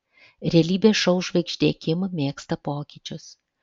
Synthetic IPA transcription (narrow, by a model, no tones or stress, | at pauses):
ɾʲɛɛlʲiːbʲeːʃɐʊʒʋɐɪkʃʲd̪ʲeːkʲɪmɐmʲeːkst̪ɐpoːkʲiːt͡ʃʲʊs